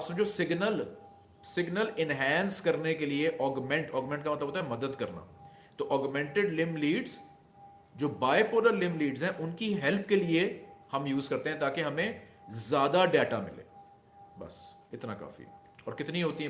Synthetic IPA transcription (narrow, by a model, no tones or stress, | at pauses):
psemd͡ʒoːsɪɡnəl | sɪɡnəlɪnɦɛ̃ːnskɐɾnekelieʔɔːɡmɛ̃ɳʈɔːɡmɛ̃ɳʈkamɐt̪ləbɦoːt̪aɦɛmɐd̪əd̪kɐɾna̰ː | t̪oːʔɔːɡmɛ̃ɳʈeɖlɪ̃mliːɖz | d͡ʒoːbaːepoːɾəɾlɪ̃mliːɖzɦɛ̃ʔʊnkiɦɛlp̚keliehɐmjuːzkɐɾt̪ẽɦɛ̃t̪aːkeɦɐmẽzjaːd̪aɖeːʈamɪ̰lḛː | bɐ̰s | ɪt̪na̰ka̰ːfḭ | ɔːɾkɪt̪niɦoːt̪iɦɛ